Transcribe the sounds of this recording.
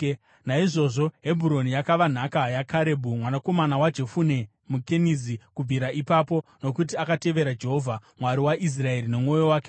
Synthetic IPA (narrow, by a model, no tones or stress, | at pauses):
naiʐo̞ʐo̞ɦe̞bʱuɾo̞nijakaʋan̤akajakʰaɾe̞bʱumwanako̞manawad͡ʒe̞fune̞ | mukenizikub͡viɾaʔipapo̞no̞kutiakate̞ʋe̞ɾad͡ʒe̞ɦo̞vʱamwaɾiwaʔis̬rae̞ɾine̞mŋo̞jo̞waːke